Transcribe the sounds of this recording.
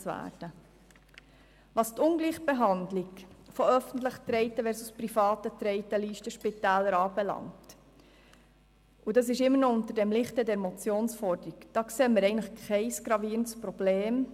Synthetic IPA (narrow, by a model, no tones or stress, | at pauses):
t͡svæ̰ːɾd̥ə | ʋɑːstʊŋɡliːχb̥eɦɑndlikfoœfəntləχt̪ɾɛɪtəʋɛːɾsusprifɑːtət̪ɾɛɪtəliːʃtəʃpitæːlːəɾɑːbɛlɑ̰ŋt | ʔudɑs̬ɪʃɪmːənɔʊntəɾdɛmlɪχtɛdɛɾmɔt͡sjoːnsfɔɾdəɾikd̥ɑːkseːməɾɛɪɡəntləχkʰɛɪsɡ̥ɾɑviːɾəntspɾɔbleːm